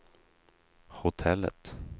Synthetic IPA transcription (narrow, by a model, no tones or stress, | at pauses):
hʊt̪ʰɛlːə̰t̪